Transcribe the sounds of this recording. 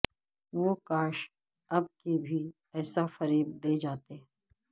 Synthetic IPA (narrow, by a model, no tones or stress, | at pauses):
ʋoːkaːʃ | ɐb̚kibʱi | ɛːsafɐɾiːb̚d̪eːd͡ʒaːt̪e